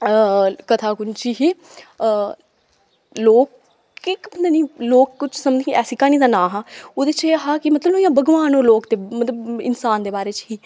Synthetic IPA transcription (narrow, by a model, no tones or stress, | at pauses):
kət̪ʰaːkʊnt͡ʃiɦiː | loːkː | ɪkbənd̪aːnĩːloːkːʊt͡ʃʰsəmd͡ʒ̪ẽːkɛːsɪkaːniːd̪aːnãːɦãːoːd̪eːt͡ʃeːɦaːkɪmət̪ləboːjãːbəɡʋaːnõːloːkt̪eːmət̪ləbɪ̰nsaːnd̪eːbaːɾeːt͡ʃɦiː